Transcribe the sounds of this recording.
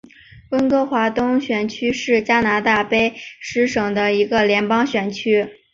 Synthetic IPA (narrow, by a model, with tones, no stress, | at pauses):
wə˥nkɤ˥xwa˧˥t̪ʊ˥ŋɕɥɛ˨˩nt͡ɕʰy˥ʂɻ̩˥˩t͡ɕja˥na˧˥t̪a˥˩pe˥ɪʂɻ̩˧˥ʂɤ˨˩ŋd̪ə˦i˧˥ɡə˧ljɛ˧˥npɑ˥ŋɕɥɛ˨˩nt͡ɕʰy˥